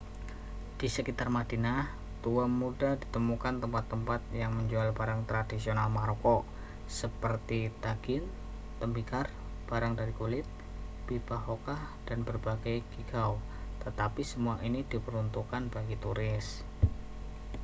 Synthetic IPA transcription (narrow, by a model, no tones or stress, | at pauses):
d̥isəkit̪armad̥inah | t̪uammudahdit̪əmukant̪əmpat̪ːəmpat̪̚jaŋməɲd͡ʒualbaɾaŋt̪ɾadisionalmaɾokɔ | səpərt̪it̪aɡ̥ɪn | t̪əmbikar | b̥aɾaŋdaɾikulɪt̪̚ | b̥ibaɦokahd̥anbərbaɡajkiɡaw | t̪ət̪apisəmuaʔinidipəɾunt̪ukanbaɡit̪uɾɪs